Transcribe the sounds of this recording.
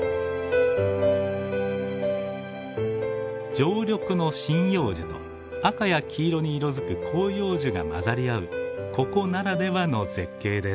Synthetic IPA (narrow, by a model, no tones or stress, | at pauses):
d͡ʑo̞ːɾʲo̞kɯ̟no̞ɕĩɰ̃jo̞ːʑit̪o̞̰ | akajakʲʰiːɾo̞ɲ̟iːɾo̞zɨkɯ̟kʰo̞ːjo̞ːʑiɡa̰ma̰zaɾʲiaɯ̟kʰo̞ko̞naɾad̪e̞βano̞ze̞kːe̞ːd̪e̞s